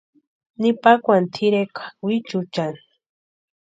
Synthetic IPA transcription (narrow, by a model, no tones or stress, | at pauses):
nipakʷant̪ʰiɾekʰḁwit͡ʃut͡ʃan